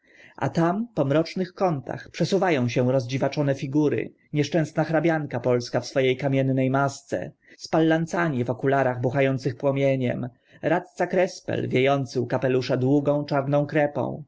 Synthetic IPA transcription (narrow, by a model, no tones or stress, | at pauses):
ʔa̰t̪ampɔmɾɔt͡ʂnɘxkɔnt̪ʰa̰xpʂɛsuvajɔ̃w̃ɕɛɾɔzd͡ʑivat͡ʂɔnɛfʲiɡuɾɘ̰ | ɲɛʂt͡ʂɛ̃w̃snaxɾabʲjaŋkapɔlskafsfɔjejkamʲjɛnːɛjmast̪sɛ̰ | spalːant̪saɲivɔkulaɾaɣbuxajɔnt̪sɘxpwɔmʲjeɲɛ̰m | ɾat̪̚t̪sakɾɛspɛ̰lvʲjejɔnt̪sɘwkapɛluʂɛd̪wuɡɔ̃w̃t͡ʂaɾnɔ̃w̃kɾɛpɔ̰̃w̃